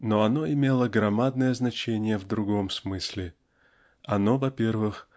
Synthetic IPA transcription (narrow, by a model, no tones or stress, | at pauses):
no̞ɐno̞ɪmʲelˠəɡɾɐmad̪̚nəjəznɐt͡ɕenʲɪjəvd̪ɾʊɡo̞msmɨsʲlʲɪ | ɐno̞vɐpʲe̞rvɨx